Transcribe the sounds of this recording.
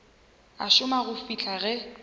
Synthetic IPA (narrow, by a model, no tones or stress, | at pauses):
a̰ʃʊmaɣʊfit͡ɬʰaɣɛ